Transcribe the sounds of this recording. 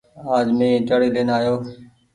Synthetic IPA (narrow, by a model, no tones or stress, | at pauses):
aːd͡ʒmẽːt͡ʃəɽiːleːnaːjoː